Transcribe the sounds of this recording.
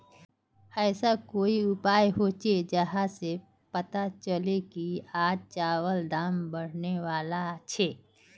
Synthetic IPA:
ɛːsakoːiʊpaːjɦoːt͡ʃed͡ʒəɦase | pɐt̪at͡ʃəlekiaːd͡ʒt͡ʃaːwəld̪aːmbəɽ̤neʋaːlat͡ʃʰeː

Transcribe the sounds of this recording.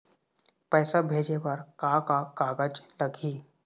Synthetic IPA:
pɛːsabʱeːd͡ʒepəɾkãːkakaːɡəd͡ʒləɡʱiː

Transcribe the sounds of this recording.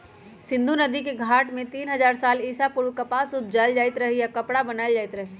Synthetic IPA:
sɪ̃nd̪ʱunɐd̪ikeɡʱaːʈmẽt̪iːnɦɐzaːɾsaːliːsapʊɾʋkɐpasʊb̪̚ʱd͡ʒald͡ʒaːɪt̪ɾɐɦejakɐpɽabɐnaːld͡ʒaːɪt̪ɾɐɦe

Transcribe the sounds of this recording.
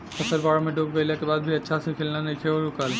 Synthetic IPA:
ɐsəɾbaːɽomẽɖoːkbelakebaːd̪̚bʱiɐtːʃʰasekʰeːlnanekʰeɔːɾʊkaːl

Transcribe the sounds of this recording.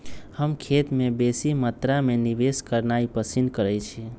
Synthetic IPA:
həmkʰet̪mebesimət̪ɾamenibeskəɾnaipəsinkəɾɛjt͡ʃʰi

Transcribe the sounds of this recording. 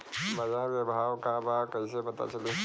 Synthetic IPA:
bɐd͡ʒaɡebʱaːwkabʱakɐisepɐt̪a̰t͡ʃɐlu

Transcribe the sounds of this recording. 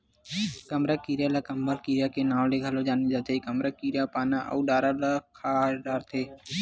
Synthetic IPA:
kəmɾakiːɾjaːlakəmbʱəlkiɾjaːkenaːʋleɡʱəlod͡ʒaːnid͡ʒaːt̪eikəmɾakiːɾjapaːnaʔə̰uɖaːɾalakʰaːɖaːɾt̪ʰeː

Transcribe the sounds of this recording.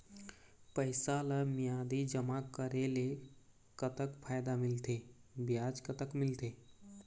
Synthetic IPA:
pəjsalamijad̪id͡ʑəmakəɾele | kət̪əkfʰajd̪amɪlt̪ebjad͡ʒkət̪əkmɪlt̪e

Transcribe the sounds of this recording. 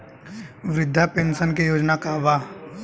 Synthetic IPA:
ʋɾɪd̪ʱːapẽnsənk̬ejoːd͡ʒnakaʋaː

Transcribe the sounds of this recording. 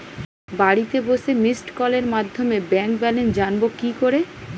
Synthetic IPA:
baɽit̪eboʃemisʈkɔleɾmad̪ʱːomebɛŋkbɛlend͡ʑanbokikoɾe

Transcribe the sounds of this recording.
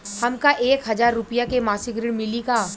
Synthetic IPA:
hɐmkaʔeːkɦɐzaːɾːʊpijakemaːsɪkɾɪɽmɪlikaː

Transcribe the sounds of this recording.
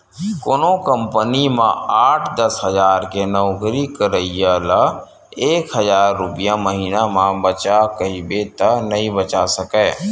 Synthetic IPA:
koːnõkəmpənimãaːʈʰd̪əsɦəzaːɾkenɔːɡɾikəɾəijələ | eːkɦəzaːɾːʊpɪjaməɦiːnamãbət͡ʃakəibet̪ɐnɐɦĩbət͡ʃasəkɛː

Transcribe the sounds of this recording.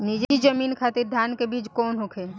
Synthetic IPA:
nid͡ʒid͡ʒəmiːnkʰaːt̪iɾd̪ʱjaːnkebiːt͡ʃkɔːnɦokʰe

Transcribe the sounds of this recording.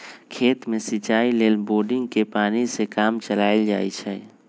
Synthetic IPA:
kʰeːt̪mẽsɪt͡ʃaːileːlboːɾɖɪ̃ŋɡkepaːnisekaːmt͡ʃəlaːd͡ʒa̰ːit͡ʃʰɛː

